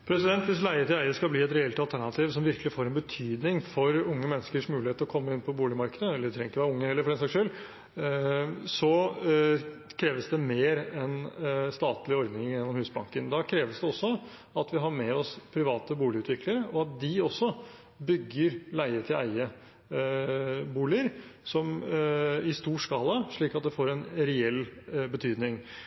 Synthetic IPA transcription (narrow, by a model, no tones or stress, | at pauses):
pʰɾɛsɪd̪ɛnt̪ʋɪslæɪət̪ʰɪlæɪəskɑbliːɛt̪ɾɛɛlt̪ɑlt̪ʰæɳɑt̪ʰiːʋsɔmʋɪɾkəlɪfoːɾɛnbət̪ʰyːd̪nɪŋfɔɾʊŋːəmɛnːəskəʂmʉːlɪheːt̪əɾɔkʰɔmːəɪnpʰɔbuːlɪmɑɾkəd̪əɛlːəɖɛt̪ʰɾɛŋːɪkːəʋæːɾʊŋːəhɛləfɔɾɛnsɑːkʂøːl | sɔ | kʰɾeːʋəsd̪ɛmeːɾɛnst̪ɑːt̪lɪɔɾd̪nɪŋjɛnːɔmhʉːsbɑ̰ŋkənd̪ɑkʰɾeːʋəsd̪ɛɔsːɔ | ɑt̪ʰʋɪɦɑɾmɛɔspʰɾɪʋɑːt̪əbuːlɪʉːt̪ʋɪkləɾəɔɑt̪̚d̪ɪɔsːɔ | bʏɡːəɾlæɪəɾət̪ʰɪlæ̰ɪə | buːlɪəɾsɔm | ɪst̪uːʂkɑːləʂɭiːkɑt̪̚d̪ɛfoːɾɛnɾɛɛlːbət̪ʰyːd̪nɪŋ